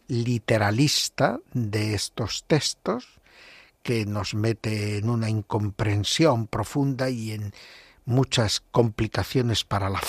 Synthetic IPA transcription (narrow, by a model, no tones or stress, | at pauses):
lit̪e̞ɾalist̪aðe̞est̪o̞st̪e̞st̪o̞s | ke̞no̞zme̞t̪eːnunaiŋko̞mpɾe̞nsjo̞mpɾo̞fund̪aie̞ŋ | mut͡ʃasko̞mplikaθjo̞ne̞spaɾalaf